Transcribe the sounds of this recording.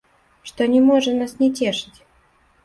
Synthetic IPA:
ʂt̪ɔnʲɛmɔʐənasnʲɛtʲeʂɨ̥tʲ

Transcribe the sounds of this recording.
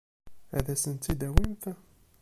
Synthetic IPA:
æ̰ðæsənt̪ːid̪æwinθ

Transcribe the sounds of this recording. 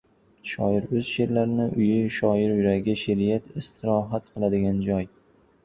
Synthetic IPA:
ʃɒɪɾɵz̥ʃe̞ɾlaɾɪnɪʔʊjɪʃɒɪɾjʊɾaɡʲɪʃeɾɪjat̪ɪst̪ʰɪɾɒɦat̪qʰɨlˠad̪ɪɡʲand͡ʒɒj

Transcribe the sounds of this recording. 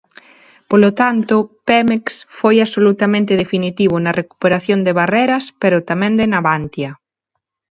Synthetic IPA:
polot̪ant̪ʊpemeksfojasolut̪amẽnt̪eðefinit̪iβ̞ʊnɐreku̥peɾaθjond̪eβ̞areɾɐspeɾʊt̪amẽnd̪enaβant̪jɐ

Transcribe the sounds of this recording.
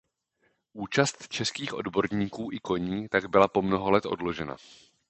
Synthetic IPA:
ʔuːt͡ʃast̪t͡ʃɛskiːxʔo̞̰dbo̞ɾɲiːkuːʔɪko̞ɲiːt̪aɡbɪlapo̞mno̞ɦolɛt̪ʔo̞̰dlo̞ʒɛna̰

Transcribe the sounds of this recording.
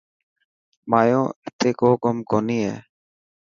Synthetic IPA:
maːjõːɪt̪ʰeːkoːkomkoːniːɦɛ̰ː

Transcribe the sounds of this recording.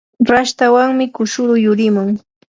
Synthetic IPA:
ɾaʃt̪awaŋmɪkʊʃʊɾʊjʊɾɪmʊŋ

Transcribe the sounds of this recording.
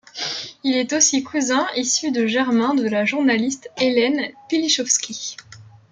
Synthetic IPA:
ilɛt̪osikʰuzɛ̃isyd̪əʒɛʁmɛ̃d̪əlaʒuʁnalist̪elɛnpiliʃɔfskʲi

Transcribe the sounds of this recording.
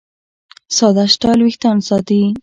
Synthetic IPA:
sɑd̪aʃʈɑlwixt̪ɑnsɑd̪i

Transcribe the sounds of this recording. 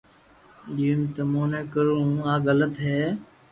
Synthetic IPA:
d͡ʒiːmt̪əmõːnẽːkəɾũːaːɣələt̪ɦeː

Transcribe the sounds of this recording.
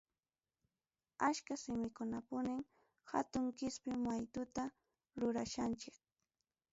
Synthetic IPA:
aʃkasɪmɪkʊnapʊnɪm | ha̰t̪ʊŋkɪspɪmajt̪ʊt̪a | ɾʊɾaʃant͡ʃɪk̚

